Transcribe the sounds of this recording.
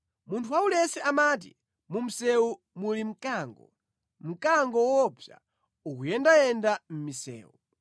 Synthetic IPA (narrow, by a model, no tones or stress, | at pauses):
muntʰuwaulɛsɛʔamat̬ḭ | mum̩sɛu | mulim̩kaŋɡɔ̰ | m̩kaŋɡɔwɔpja̰ | ukujɛndajɛndam̩misɛ̰ːu